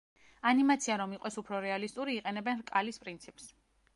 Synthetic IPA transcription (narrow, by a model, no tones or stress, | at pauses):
animat̪sʰiaɾɔmiqʼɛsupʰɾɔɾɛalist̪ʼuɾiːqʼɛnɛbɛnɾkʼalispʼɾint̪sʰipʼs